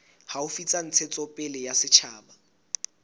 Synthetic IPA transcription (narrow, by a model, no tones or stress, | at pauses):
haʊfit͡sʼan̩t͡sʰɪt͡sʼɔpʼɪlɪjasɪt͡ʃʰaːba